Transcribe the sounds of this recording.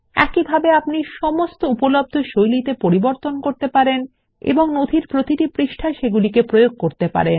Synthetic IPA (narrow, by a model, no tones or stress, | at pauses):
ɛ̰kibʱabeapniʃɔmost̪oupolob̚d̪ʱoʃojlit̪epoɾiboɾt̪onkoɾt̪epaɾen | ḛboŋnod̪ʱiɾpɾot̪iʈipɾiʃʈʰaʃeɡulikepɾojoɡ̚koɾt̪epa̰ɾen